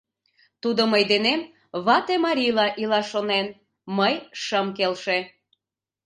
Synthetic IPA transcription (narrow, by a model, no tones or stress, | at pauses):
t̪ud̪oməjd̪enem | βɑt̪emɑɾʲilɑʔilɑʃonen | məjʃəmkelʃe